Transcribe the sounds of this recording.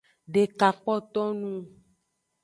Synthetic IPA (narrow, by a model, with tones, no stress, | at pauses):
ɖe˨ka˨k͡pɔ˦t̪ɔ˦nũ˦